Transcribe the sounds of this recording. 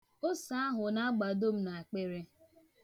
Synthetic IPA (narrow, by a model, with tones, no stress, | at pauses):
o˦sa˦a˦ɦʊ˨na˦a˦ɡ͡ba˨do˦m̩˦na˨a˨k͡pe˦ɾe˦